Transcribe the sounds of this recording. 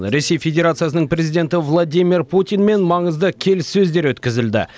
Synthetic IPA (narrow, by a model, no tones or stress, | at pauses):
ɾe̞se̞jfʲe̞d̪ʲe̞ɾat̪sɨijasənəɴpɾe̞zijd̪ʲe̞nt̪ɪvlˠad̪ʲijmʲirpʰut̪ʲijnme̞nmɑɴəzd̪əkʲʰe̞lɪsːɵzd̪e̞ɾwɵt̪kʲɪzɪld̪ɪ̰